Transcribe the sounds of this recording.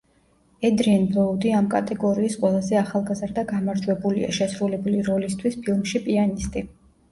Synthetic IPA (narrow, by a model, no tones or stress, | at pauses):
ɛd̪ɾiɛnblˠɔud̪iamkʼa̰t̪ʼɛɡɔɾiːsqʼwɛlˠazɛaχalˠɡazɾd̪aɡamaɾd͡ʒwɛbulḭa̰ʃɛsɾulɛbuliɾɔlist̪ʰwispʰilˠmʃipʼianist̪ʼi